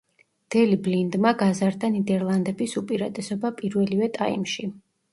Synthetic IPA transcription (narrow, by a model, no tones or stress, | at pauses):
d̪̥ɛliblind̪maɡazaɾd̪anid̪ɛɾlˠand̪ɛbisupʼiɾat̪ʼɛsɔbapʼiɾvɛlivɛt̪ʼaḭmʃi